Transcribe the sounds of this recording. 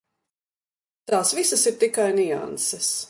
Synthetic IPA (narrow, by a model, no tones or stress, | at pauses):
t̪aːsvisɐsiɾt̪ikajnia̰nsɛs